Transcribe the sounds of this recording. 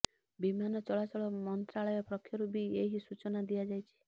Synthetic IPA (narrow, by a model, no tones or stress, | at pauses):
bimanɔt͡ʃɔɭat͡ʃɔɭɔmɔnt̪ɾaɭɔjɔpɾɔkʰːjɔɾubieɦisut͡ʃɔnad̪ijad͡ʒajt͡ʃʰi̥